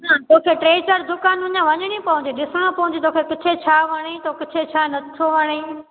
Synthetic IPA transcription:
nat̪oːkʰeʈɾeːt͡ʃəɾd̪ʊkaːnʊ̃ɲãʋɐɲɽ̃ipɐɦʊ̃ɲd͡ʑeɗɪsɽ̃õpɐɦʊ̃ɲd͡ʑet̪oːkʰekɪt͡ʃʰet͡ɕʰaːʋɐɽ̃it̪okɪt͡ʃʰet͡ɕʰaːnɐt̪ʰoʋɐɽ̃eː

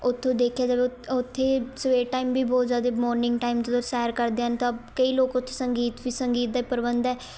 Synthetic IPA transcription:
ʊt̪ʰːõːd̪eːkʰjaːd͡ʒəbʊt̪ʰːeːsʋeːʈaːimbiːbɔːt̪zjaːd̪eːmɔːɾnɪ̃ŋɡʈaːimt̪ooːsɛːɾkəɾd̪eːənt̪ãəbkəiːloːkʊt̪ʰːeːsəŋɡiːt̪ʋiːsəŋɡiːt̪̚d̪aiːpəɾbə̃nd̪ɛː

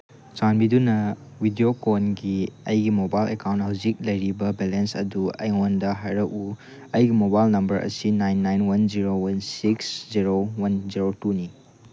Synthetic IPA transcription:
t͡ʃanbidunɐwidiokonɡiɐjɡimobajlekawnthɐwzik̚lɐjɾibɐbelensɐ̰duɐ̰jŋondɐɦajɾɐku | ɐjɡimobajlnɐmbɐɾʔɐ̰sinajnːajnwɐnd͡ʒiɾowɐnsiksziɾowɐnziɾotuni

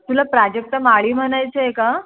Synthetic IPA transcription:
t̪ulapɾad͡ʑek̚t̪əmaɭiːm̤əñajt͡seeka

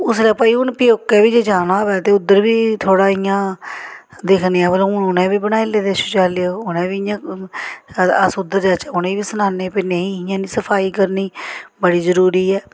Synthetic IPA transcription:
ʊslɛːpaːiːʊnpɪjoːkːɛːbiːd͡ʒeːd͡ʒaːnaːʋɛːt̪eːʊd̪əɾbiːt̪ʰoːɽaːɪjãː | d̪ekʰniɛːbəlõːnʊnẽːbiːbənaːɪleːd̪eːʃoːt͡ʃaːleoʊnẽːʋiɪjãː | əsʊd̪əɾd͡ʒɛːt͡ʃːʊnẽːʋiːsənaːneːpeːneĩːɪjãːniːsəpʰaːiːkəɾniːbəɽiːzəɾuːɾiːɛː

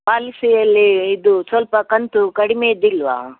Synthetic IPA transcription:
paːlisijɐlːiːd̪usʋɐlpɐkɐnt̪ukɐɽimeːid̪ilːʋa̰ː

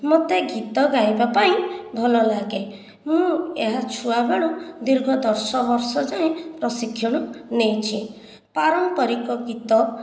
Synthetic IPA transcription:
mot̪eɡit̪ɔɡajbapaĩbʱɔlɔlaɡe | mũeɦat͡ʃʰuabeɭ̃ud̪iɾɡʱɔd̪ɔɾsɔbɔɾsɔd͡ʒaẽpɾɔsikʰːjɔɽ̃ɔnejt͡ʃʰi | paɾɔmpɔɾikɔɡit̪ɔ

